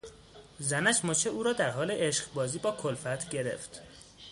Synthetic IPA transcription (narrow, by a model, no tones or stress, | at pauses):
zænæʃmot͡ʃʰeʔuːɾɒːd̪æɾɦɒːleʔeʃɢbɒːziːbɒːkʰolfæt̪ʰɟe̞ɾe̞̰ft̪